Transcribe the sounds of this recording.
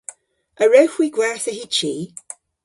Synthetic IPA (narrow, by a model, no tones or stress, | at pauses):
ʔəɹəwxwiɡwɛɹθəɦit͡ʃiː